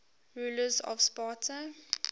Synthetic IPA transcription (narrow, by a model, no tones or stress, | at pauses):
ɹuːləzɔ̰vspaːtʰə